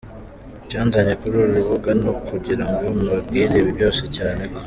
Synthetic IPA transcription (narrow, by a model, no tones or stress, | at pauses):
caːnzaɲekuɾuɾuɾuβuɡanokuɟiɾaŋɡomaɡiːɾeβiβjo̞ːsecaːne̞ko̥